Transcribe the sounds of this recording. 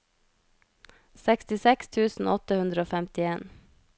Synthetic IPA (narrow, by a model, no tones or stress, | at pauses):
sɛkst̪ɪsɛkst̪ʰʉːsn̩ɔt̪əhʉnd̪ɾəoːfæmt̪ɪeːn